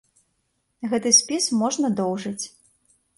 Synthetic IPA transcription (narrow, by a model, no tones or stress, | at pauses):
ɣɛt̪ɨsʲpʲismɔʐnɐd̪ɔwʐɐt͡sʲ